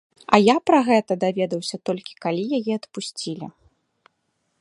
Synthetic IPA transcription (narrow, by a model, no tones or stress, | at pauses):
ɐjapɾɐɣɛt̪ɐd̪avʲɛd̪ɐwsʲɐt̪ɔlʲkʲi̥kalʲijajɛɐt̪pusʲt͡sʲilʲḭ